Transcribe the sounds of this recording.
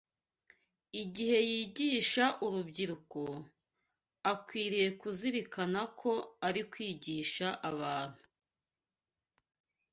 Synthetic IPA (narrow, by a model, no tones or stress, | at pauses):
iɟihe̞jiːɟiːʃaʔuɾubɟiɾuko | akwiːɾije̞kuziɾikanakʰo̞aɾikwiːɟiːʃaʔaβaːn̥hu